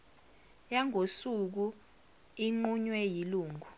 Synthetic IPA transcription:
jaŋʱosuk̬u | iŋ͡ǃuɲwɛjiluːŋʱu

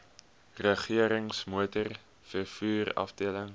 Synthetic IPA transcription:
rəχiəɾəŋsmuətər | fərfuːrɐ̰fdiələŋ

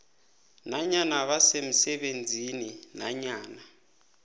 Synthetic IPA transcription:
naɲanaβasem̩sɛɓend͡zʱininaɲaːna

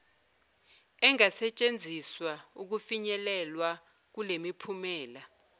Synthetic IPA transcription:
ɛŋasɛt͡ʃʼend͡zʱiswauk̬ufiɲɛlɛlwa | k̬ulemipʰumɛːla

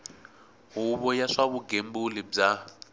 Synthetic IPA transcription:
ɦuβɔjaʂaβuɡembulib͡ʐa

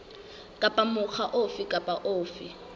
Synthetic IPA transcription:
kʼapʼamʊk͡xaʔofɪkʼapʼaʔoːfi

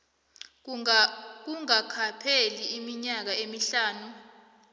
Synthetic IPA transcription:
k̬uŋakʰapʰeliːmiɲak̬aemiɬaːnu

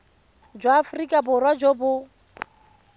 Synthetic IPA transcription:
d͡ʒwaːfʊrikʼabʊrwad͡ʒobʊ

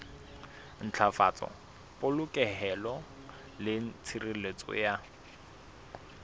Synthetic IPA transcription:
n̩t͡ɬʰafa̰t͡sʼɔ̰ | pʼʊlʊkʼɛɦɛlɔ | lɪn̩t͡sʰirilet͡sʼɔ̰ja

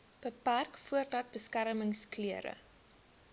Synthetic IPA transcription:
b̥əpærkfuərdɐt̚bəskæɾməŋskliəɾə̰

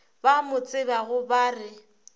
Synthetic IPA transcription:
bamʊt͡sʼɪbaɣʊbaːrɪ

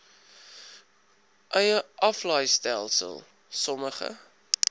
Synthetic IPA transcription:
ʔœjəʔɐflɐjstælˠsə̰lˠ | sɔməχə̰

